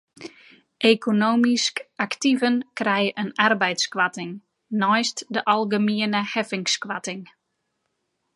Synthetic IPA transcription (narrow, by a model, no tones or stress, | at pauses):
ʔekʰonoːmiskaktivənkrɛjəʔənarbɛjtskwatɪŋ | nɔjstdəʔɑlˠɡəmiənəhɛfɪŋskwatɪŋ